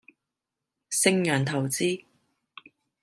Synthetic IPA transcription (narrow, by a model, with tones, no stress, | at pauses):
sɪ˧ŋjœː˨˩nt̪ʰɐ˨˩wt͡siː˥